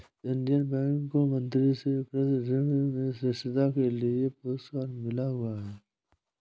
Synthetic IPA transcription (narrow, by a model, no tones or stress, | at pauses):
ɪ̃ɳɖijənbɛ̃ːŋkkːomə̃nt̪ɾiseɪkɾəzd͡ʒɪŋmẽsɪsɪd̪akeliepʊuskaːnmɪlaɦʊaɦɛː